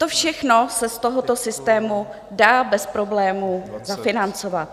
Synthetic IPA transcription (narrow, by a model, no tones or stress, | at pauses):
t̪o̞fʃɛxno̞sɛst̪oɦot̪o̞sɪst̪ɛːmu | daːbɛspɾo̞blɛːmuzafɪnant͡sovat̪̚